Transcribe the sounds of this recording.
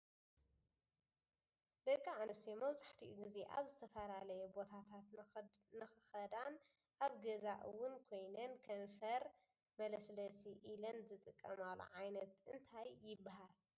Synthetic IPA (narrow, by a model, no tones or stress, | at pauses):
d̪ɐkʼːiʕanɨsemɐwt͡sʼaħt̪ʰiʔuɡize̞ʔa̰βzɨt̪ʰɐfɐlalɐjɛbo̞t̪ʰat̪ʰat̪nɨxɨxɐd̪an | ʔaβɡɐzaʔɨwːʊnkʰo̞jnɐnkʰɐnfɐɾ | mɐlɐslɐsiʔilɐnzɨt̪ʼɨkʼːɐmalo̰ʕajnɐt̪ʔɨnt̪ʰajːɪbːaɦal